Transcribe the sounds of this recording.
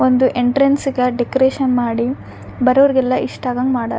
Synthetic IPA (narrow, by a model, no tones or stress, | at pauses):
ond̪uʔeɳʈɾensiɡɐɖekoɾeːʃɐnmaːɽi | bɐɾɐʋɐɾɡɛlːɐʔiʂʈaːɡɐŋɡmaːɽɐ̰